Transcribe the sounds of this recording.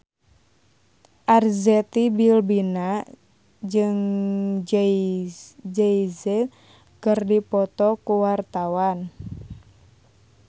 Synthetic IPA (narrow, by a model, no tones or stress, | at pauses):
ʔarzɛt̪ibilbina | d͡ʒɨŋ | d͡ʒɛizɛt̪̚ | kɨrdipɔt̪ɔkuwart̪awan